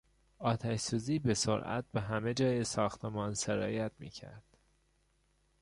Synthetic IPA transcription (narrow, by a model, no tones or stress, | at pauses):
ɒːt̪ʰæʃsuːziːbe̞soɾʔæ̰t̪̚beɦæme̞d͡ʒɒːjesɒːxt̪ʰemɒːnseɾɒ̰ːjæt̪̚ʰmḭːcʰæ̰ɾd̪̥